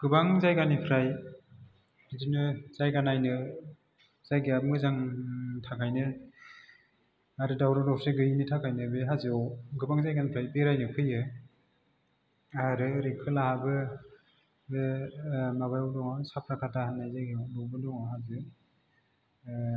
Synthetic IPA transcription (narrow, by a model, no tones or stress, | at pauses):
ɡ̥ɯbaŋzajɡanipʰɾaj | zinɯz̥ajɡanajnɯ | z̥ajɡeabɯŋɯzaŋtʰakʰajnɯ | aɾɯdawɾɔdɔwseɡɯjinitʰakʰajnɯbeɦazɯɔɡɯbaŋzajɡanipʰɾajbeɾajnɯpʰɯjɯ | aɾɯɾekʰɯlahabɯ | maβajwdɔŋɔsapʰɾakʰatʰahanːajzajɡenubɯdɔŋaɦazɯ